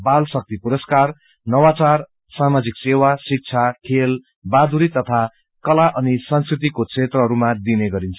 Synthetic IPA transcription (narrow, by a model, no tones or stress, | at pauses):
balsʌk̚t̪ipuɾʌskar | nʌwat͡sar | samad͡ziksewasik̚t͡sʰakʰel | bad̪uɾit̪ʌt̪ʰa | kʌlaʔʌnisʌnskrit̪ikokt͡sʰet̪rʌɦʌɾumad̪ineɡʌɾint͡sʰu̥